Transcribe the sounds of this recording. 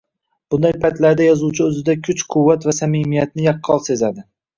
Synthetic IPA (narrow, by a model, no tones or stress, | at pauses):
b̥ʊnd̪ajpʰajt̪laɾd̪ajɒzuwt͡ʃʰɪɵzɪd̪akʲʰʊt͡ʃqʰʊwːat̪vasamimijat̪̚nɪjɑqʰːɒlˠse̞zad̪ɪ